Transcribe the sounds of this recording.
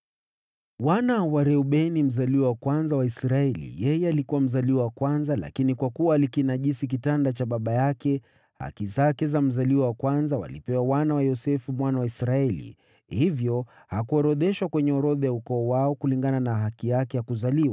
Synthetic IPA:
wanawaɾɛuɓɛnim̩zaliwawakwanzawaisɾaɛlḭjɛjɛalikuwam̩zaliwawakwanzala̰kinikwakuwaːlikinaʄisik̬itandat͡ʃaɓaɓajakɛ | ha̰kizakɛzam̩zaliwawakwanzawa̰lḭpɛwawanawajɔsɛfumwanawaisɾaɛlḭ | hivjɔ | hakuɔɾɔðɛʃwakwɛɲɛɔɾɔðajaukɔːwaɔkuliŋɡananaɦakijakɛjakuzaliwa

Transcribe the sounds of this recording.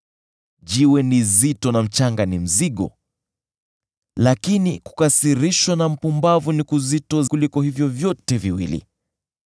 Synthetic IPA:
ʄiwɛnizitɔnam̩t͡ʃaŋɡanim̩ziɠɔ̰ | lakiniku̥kasiɾiʃwanam̩pumbavunikuzitɔkulikɔhivjɔvjɔtɛviwḭlḭ

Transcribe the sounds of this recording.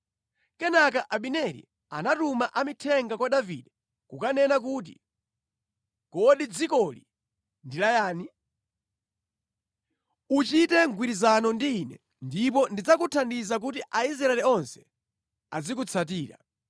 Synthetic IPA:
kɛnakaʔaɓinɛɾḭ | a̰natumaʔamitʰɛŋɡakwaɗavḭɗɛ | kukanɛnak̬ut̬ḭ | kɔɗid͡zikɔlḭ | ndilajaːni | ut͡ʃitɛŋɡwiɾizanɔndiːnɛ̰ | ndip̬ɔndid͡zakutʰandizak̬utiʔais̬ɾaɛlɛɔnsɛ̥ | a̰zikut͡sʰat̬iːɾa

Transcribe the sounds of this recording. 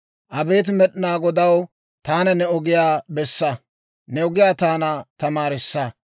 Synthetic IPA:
ʔɐbe̞ːt̪̬mɛɗɪnaːɡɔd̪ɐw | t̪aːnɐnɛɔɡɪjaːbɛsːɐ | nɛɔɡɪjaːt̪aːnɐt̪ɐmaːɾɪsːɐ

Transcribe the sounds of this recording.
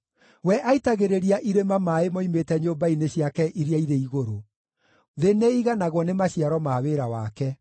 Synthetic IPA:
wɛʔaitaɣeɾeɾiaʔiɾemamaemɔimetɛɲoːmbaineɕjakɛʔiɾjaiɾeiɣoɾo | ðeneiɣanaɣwɔnemaɕiaɾɔmaːweɾawaːkɛ

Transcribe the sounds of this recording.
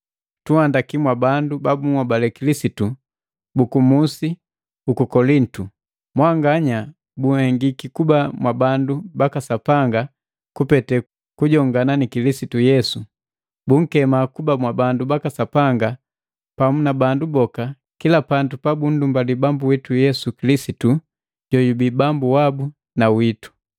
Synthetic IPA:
tuhandakimwabandubabuŋwabalɛkilisitu | bukumusi | ukukɔlin̩tu | mwaŋɡaɲa | buhɛŋɡikikubamwabandubakasapaŋɡa | kupɛtɛ | kuɟɔŋɡananikilisitujɛsu | buŋ̩kɛmakubamwabandubakasapaŋɡa | pamunabandubɔka | kilapandupabun̩dumbalibambuwitujɛsukilisitu | ɟɔjubibambuwabu | nawitu̥

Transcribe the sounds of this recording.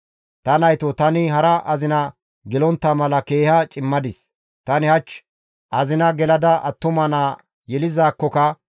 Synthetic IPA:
t̪ɐnɐjt̪ɔt̪ɐnɪɦɐɾɐʔɐzɪnɐ | ɡɛlɔnt̪ːɐmɐlɐke̞ːhɐt͡ʃʼɪmːɐd̪ɪs | t̪ɐnɪhɐt͡ʃː | ʔɐzɪnɐɡɛlɐd̪ɐʔɐ̰t̪ːʊmɐnaː | jɛlɪzaːkːɔkɐ

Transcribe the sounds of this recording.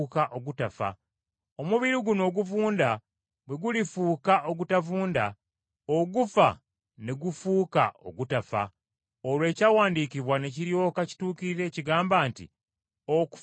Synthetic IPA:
kaʔo̞ɡutafa̰ | o̞muβiɾiɡuno̞ːɡuvuːnda | bwe̞ɡulifuːkaʔo̞ɡutavuːnda | oɡufa | ne̞ɡufuːka̰o̰ɡutafa̰ | olwe̞ːcawaːndikiβwane̞ciɾjo̞ːkaci̥tuːkiɾiɾe̞ːciɡaːmbaːntḭ | oku̥

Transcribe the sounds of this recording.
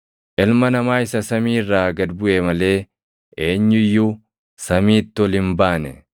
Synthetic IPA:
ʔɛlmɐnɐmaːɪsɐsɐmiːrːaːɡɐd̪bʊʔemɐle̞ː | ʔeːɲːʊjːʊ | sɐmiːt̪ːɪɔlɪmbaːnɛ

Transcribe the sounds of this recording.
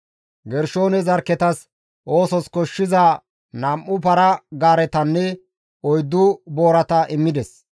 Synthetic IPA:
ɡɛɾʃo̞ːnɛzɐɾkːɛt̪ɐs | ʔo̞ːsɔskɔʃːɪzɐ | nɐmʔːʊpɐɾɐɡaːɾɛt̪ɐnːɛ | ɔjd̪ːʊbo̞ːɾɐt̪ɐʔɪmːɪd̪ɛs

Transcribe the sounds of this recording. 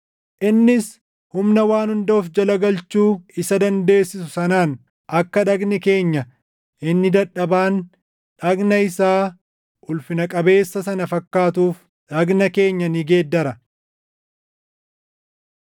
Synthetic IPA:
ʔɪnːɪs | hʊmnɐwaːnhʊnd̪oːfd͡ʒɐlɐɡɐlt͡ʃuːɪsɐd̪ɐnd̪e̞ːsːɪsʊsɐnaːn | ʔɐkːɐᶑɐɡnɪke̞ːɲːɐ | ʔɪnːɪd̪ɐᶑɐbaːn | ᶑɐɡnɐɪsaː | ʔʊlfɪnɐkʼɐbe̞ːsːɐsɐnɐfɐkːaːt̪uːf | ᶑɐɡnɐke̞ːɲːɐniːɡe̞ːd̪ːɐɾɐ

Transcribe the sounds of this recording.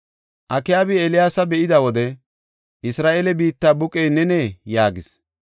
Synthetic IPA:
ʔɐkɪjaːbɪɛlɪjaːsɐbɛʔɪd̪ɐwɔd̪ɛ | ʔɪsɾaːʔelɛbiːt̪ːaːbʊkʼɛjnɛneːjaːɡɪs

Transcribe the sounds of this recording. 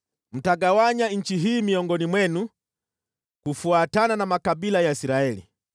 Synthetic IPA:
m̩taɡawaɲaɲ̩t͡ʃiɦiːmiɔŋɡɔnimwɛnu | kufuatananamakaɓilajaisiɾaɛlḭ

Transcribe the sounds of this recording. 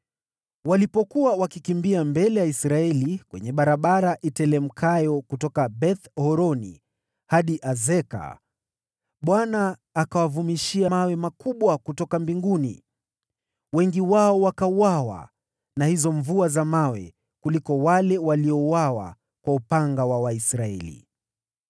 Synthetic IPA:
walipɔkuwawakikimbiambɛlɛjaisɾaɛlikwɛ̰ɲɛɓaɾaɓaɾaʔitɛlɛm̩kʰajɔkutɔkabɛθhɔɾɔnḭ | haɗiʔazɛka̰ | ɓwanaːkawavumiʃiamawɛmakuɓwakutɔkambiŋɡunḭ | wɛŋɡiwaɔwakauwawa̰ | nahizɔɱvuazamawɛ̰ | kulikɔwalɛwaliɔuwawa̰ | kwaupaŋɡawawaisɾaɛ̰lḭ

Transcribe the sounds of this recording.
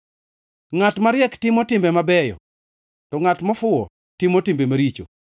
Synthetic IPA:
ŋatmaɾjɛktɪmɔtɪmbɛmabɛjɔ̰ | tɔŋatmɔfʊɔ̰ | tɪmotimbemaɾit͡ʃo̰

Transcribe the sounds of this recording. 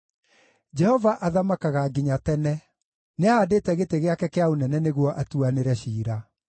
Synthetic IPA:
d͡ʒɛhɔvaʔaðamakaɣaɡiɲatɛnɛ | neaaːdetɛɣeteɣeakɛkeaonɛnɛneɣwɔʔatuaneɾɛɕiːɾa

